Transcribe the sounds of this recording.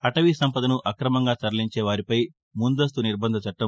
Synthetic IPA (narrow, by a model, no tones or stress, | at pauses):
ɐʈɐʋisɐmpɐd̪ɐnuʔɐkɾɐmɐŋɡaːt͡ʃɐɾɐliɲt͡ʃeːʋaːɾipɐj | mund̪ɐst̪uniɾbɐnd̪ʱɐt͡ʃɐʈːɐm